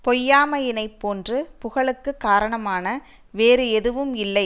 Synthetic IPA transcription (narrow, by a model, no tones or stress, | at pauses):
pɔjːaːmɐjɪnɐɪpːoːndrɯpʊɣɐɭɯkːɯkːaːɾɐɳɐmaːnɐ | ʋeːɾɯɛðɯʋɯmɪlːɐɪ